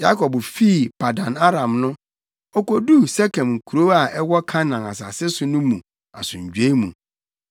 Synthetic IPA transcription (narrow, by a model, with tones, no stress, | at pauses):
ja˦kʰɔ˨bfi˦˨pʰa˨dã˨na˦ɾã˨mnʊ̃˦ | ɔ˦kɔ˨du˦sɛ˦kʰɛ̃˨mŋ̩˨kʰu˨ɾo˦a˨ɛ˦wɔ˦kʰã˦nã˨a˨sa˨sɪ˦sʊ˨nʊ̃˦mũ˨ | a̰˨sʊ̃˨ɲ̩˨d͡ʑᶣe˦mṵ̃˨